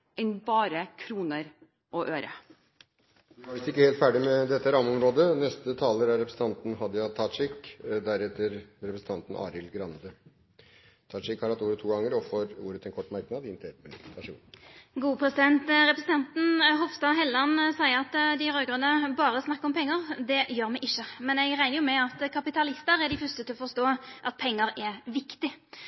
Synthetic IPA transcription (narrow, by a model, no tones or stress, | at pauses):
ɛnbɑːɾəkʰɾuːnəɾ | ʔɔʔøːɾə̰ | ɑʋɪst̪ɪkːəheːlt̪fæːɖɪmɛd̪ɛt̪ːəɾɑməɔmɾoːd̪ənɛst̪ət̪ʰɑːləɾæɾɛpɾəsn̩t̪ɑnt̪n̩ɦɑd̪əjɑt̪ʰɑʂɪkd̪æɾɛt̪ːəɾɾɛpɾəsn̩t̪ʰɑnt̪n̩ʔɑ̰ːɾɪlɡɾɑnd̪ə | t̪ʰɑʂɪkhɑɾhɑt̪ːuːɾət̪ʰːuːɡɑŋːəɾɔfɔɾṵːɾət̪ʰɛnkʰɔʈːmæɾknɑd̪ɪɪnt̪ʰeːt̪mɪlɪt̪t̪ʰɑʂṵɡuːəpʰɾɛsɪd̪ɛnt̪ʁɛpɾəsn̩t̪ɑnt̪n̩ɦɔʋst̪ɑɦɛlːɑnsæɪəɾɑt̪d̪ɪɾøːɡʁənəbɑːɾəsnɑkːɔmpʰɛŋːəʁd̪ɛjøːɾmɛɡʔɪçːəmɛnɛɡʁæɪnəjʊmɛɑt̪kʰɑpɪt̪ɑlɪst̪əɾæɖɪfʏst̪ət̪ʰɪlɔfɔɾst̪oːʔɑt̪̚pʰɛŋːəɾɛʋɪkt̪ɪ